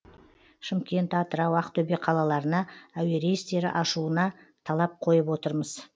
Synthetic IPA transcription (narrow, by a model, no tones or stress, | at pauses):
ʃɪmkʲe̞nt̪ɑt̪əɾɑwɑqt̪ʰɵbe̞qʰɑlˠɑlˠɑɾənɑæwe̞ɾejɪst̪e̞ɾɪ̰ʔɑʃuənɑ | t̪ʰɑlˠɑp̚qʰo̞jəpwo̞t̪əɾməz̥